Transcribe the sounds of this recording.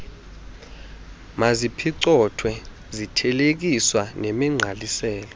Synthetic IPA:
mazipʰiǀɔtʰwɛ | zitʰɛlek̬iswanemiŋ͡ǀʱalisɛːlɔ

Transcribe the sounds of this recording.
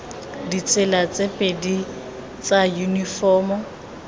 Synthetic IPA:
dit͡sʰʼɪlat͡sʼepʼedi | t͡sʼajunifɔːmɔ

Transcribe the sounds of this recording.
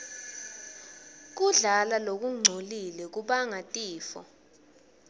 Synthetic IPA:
k̬uɮalalok̬uŋ͡ǀʱolilɛk̬uɓaŋatʼiːfɔ̰

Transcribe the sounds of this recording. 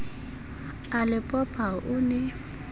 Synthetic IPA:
alɪpʼɔpʼaʔʊnɛ

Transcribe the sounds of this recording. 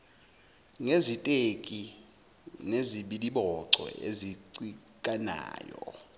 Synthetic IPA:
ŋezitʼekʼi | neziɓiɗiɓɔǀɔ̰eziǀikʼana̰ːjɔ̰

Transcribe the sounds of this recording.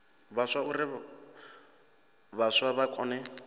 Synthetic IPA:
βaswaurɪ | βaswaβakʼɔːnɛ

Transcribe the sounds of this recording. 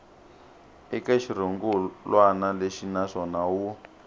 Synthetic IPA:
ikaʃiɾoŋɡulwanaleʃinaʂɔnaɦu

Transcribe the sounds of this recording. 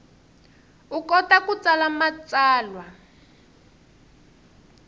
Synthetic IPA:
ukɔtakut͡salamat͡saːlwa

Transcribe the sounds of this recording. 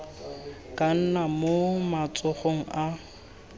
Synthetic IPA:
kʼan̩namomat͡sʼʊχoŋ̩ʔa

